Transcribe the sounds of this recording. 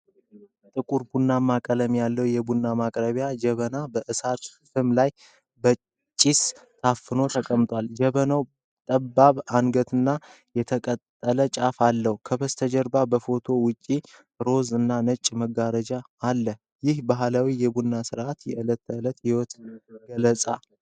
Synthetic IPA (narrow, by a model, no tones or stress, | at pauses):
t̪ʼɨkʼuɾbunːamakʼələmjalːəwjɛbunːamakʼɾəβjad͡ʒɛβənabəʔɨsat̪ | fɨmlaj | bə | t͡ʃʼːist̪ʰafːɨno̞t̪ʰəkʼəmt̪ʼwald͡ʒɛβənaw | t̪ʼəbːaβaŋɡət̪ʰɨnːa | jɛt̪ʰəkʼət̪ʼːələt͡ʃʼafalːəhukʰəbəst̪ʰəd͡ʒəɾbabəfo̞t̪ʰo̞wʊt͡ʃʼːi | ɾo̞zɨnːanət͡ʃʼməɡaɾəd͡ʒaːlːəh | jɪhbaɦlawijɛbunːasɨɾʔat̪jɛɨlət̪ːəɨlət̪hɪwɔt̪ɡələt͡sʼa